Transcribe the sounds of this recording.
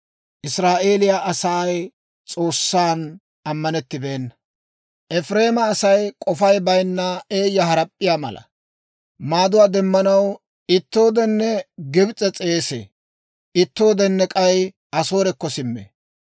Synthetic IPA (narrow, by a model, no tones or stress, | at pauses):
ʔɪsɾaːʔe̞ːlɪjaʔɐsaːj | t͡sʼo̞ːsːaːn | ɐmːɐnɛt̪ːɪbe̞ːnːɐ | ʔɛfɾe̞ːmɐːsɐjkʼɔfɐjbɐjnːɐe̞ːjːɐɦɐɾɐpʼːɪjaːmɐ̰lɐ̰ | maːd̪ʊwaːd̪ɛmːɐnɐw | ɪt̪ːo̞ːd̪ɛnːɛɡɪbt͡sʼɛt͡sʼeːsḛː | ʔɪt̪ːo̞ːd̪ɛnːɛkʼɐj | ɐso̞ːɾɛkːɔsɪmːḛ